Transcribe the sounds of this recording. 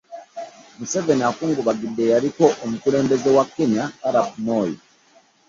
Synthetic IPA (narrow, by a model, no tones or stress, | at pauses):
muse̞veniakuːŋɡuβaɡidːe̞jaɾiko̞ʔːmukuɾe̞ːmbezewakːeɲakaɾapunoːji